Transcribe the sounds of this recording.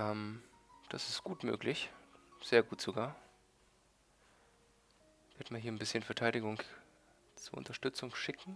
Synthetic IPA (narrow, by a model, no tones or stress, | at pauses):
ɛmd̥asɪstɡ̥uːtmø̰ːklɪçz̥eːɐɡuːtz̥oɡaːɐ | v̥eːɐdmaːlɦiːɐnbɪsçənfɛɐtʰaɪɾɪɡʊŋ | t͡suɐʔʊ̰ntɐʃtʏt͡sʊŋʃɪkŋ̩